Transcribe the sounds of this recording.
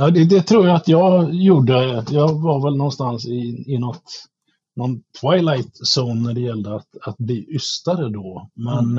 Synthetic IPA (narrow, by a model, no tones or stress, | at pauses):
jɑːd̪ɛd̪ɛt̪ʰɾuːɾjaat̪jɑːɡjuːɖəajɑːvaɾvɛlnɔnst̪ansɪɪnɔt̪ | nɔnt̪ʰːvajlajt̪sɔnːæɖɛjɛld̪əat̪at̪̚bliːʔʏst̪aɾəd̪ɔmɛn